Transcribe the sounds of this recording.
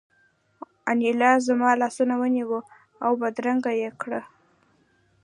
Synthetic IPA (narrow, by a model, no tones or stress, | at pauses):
anilɑzamɑlɑsunawəniwu | awbad̪ɾaŋɡajekɽə